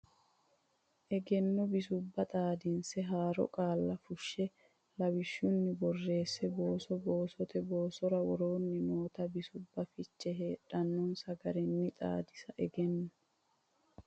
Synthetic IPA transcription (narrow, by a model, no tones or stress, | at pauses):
ʔɛɡɛnːɔbɪsʊbːɐt̪ʼaːd̪ɪnsɛɦaːɾɔ̰kʼaːlːɐfʊʃːɛ | lɐwɪʃːʊnːɪbɔrːe̞ːsːɛbo̞ːsɔbo̞ːsɔt̪ɛbo̞ːsɔɾɐwɔɾo̞ːnːɪnoːt̪ɐbɪsʊbːɐfɪt͡ʃːɛɦe̞ːᶑɐnːɔnsɐɡɐɾɛnːɪt̪ʼa̰ːd̪ɪsɐʔɛɡɛnːɔ